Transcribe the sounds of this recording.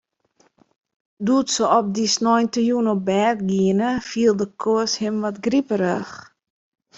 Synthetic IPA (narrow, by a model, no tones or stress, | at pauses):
dutsəɔp̚disnɔjntəjunobɛːtɡiənəfiəlˠdəkʰoəshɪmʋɔtɡripəɾəx